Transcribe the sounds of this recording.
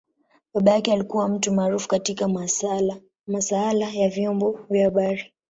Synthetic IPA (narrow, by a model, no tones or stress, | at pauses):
ɓaɓajakɛalikuwam̩tumaːɾufu̥katika | masaalajavjɔmbɔvjahaɓaɾi